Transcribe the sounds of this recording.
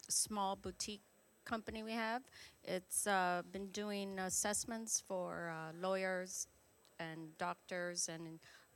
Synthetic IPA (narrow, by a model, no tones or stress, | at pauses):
smɔlˠbutʰikʰː | ʌ̃mpɨniwiɨvʔɪtsʌbɨ̃ndʉɪ̃ŋəsɛsmə̃ntsfə˞lɔɪə˞z | ɨ̃ndɔk̚tə˞zɨ̃n